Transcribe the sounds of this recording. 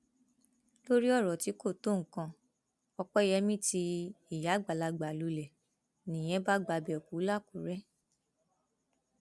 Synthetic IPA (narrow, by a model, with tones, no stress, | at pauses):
lo˦ɾi˦ɔ˦˨ɾɔ˨ti˨˦ko˦˨to˦˨ŋ̩˨kã˧ | ɔ˧k͡pɔ˦i˦˨jɛ˧mĩ˦ti˧i˨ja˨˦ɡ͡ba˨la˧ɡ͡ba˨lu˨˦lɛ˨ | nĩ˨j̃ɛ̃˦ba˦ɡ͡ba˧bɛ˨ku˨˦la˦˨ku˨˦ɾɛ˦